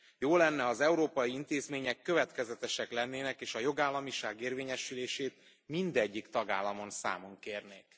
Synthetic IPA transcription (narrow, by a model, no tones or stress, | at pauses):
joːlɛnːɛɒzɛuɾoːpɒjiint̪eːzmeːɲɛkːø̞vɛt̪kɛzɛt̪ɛʃɛklɛnːeːnɛkeːʃɒjo̞ɡaːlːɒmiʃaːɡeːrveːɲɛʃyleːʃeːt̪̚ | mind̪ɛɟːikt̪ɒɡaːlːɒmo̞nsa̰ːmoŋkeːrneːk